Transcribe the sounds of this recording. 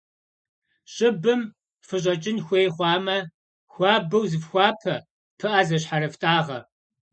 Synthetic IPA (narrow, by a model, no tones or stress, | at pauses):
ɕʼɪbɨm | fɨɕ̬ʼɐt͡ʃʼɪnxʷeːjχʷɑːmɐ | xʷɑːbɐwzɨfxʷɑːpʰɐ | pʰɨʔɐzɐɕ̬ħaɾɐftʼaːʁɐ̰